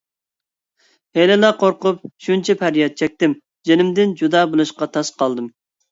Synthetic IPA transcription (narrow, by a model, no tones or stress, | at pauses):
helɪlˠɑqʰoɾqʊp̚ʃunt͡ʃʰɛpʰæɾjɛt̪̚t͡ʃʰɛk̚ʲt̪ɪm | d͡ʒenɪmd̪ɪnd͡ʒud̪ɑːbolˠuʃqɑt̪ʰɑsqʰɑlˠd̪ɨm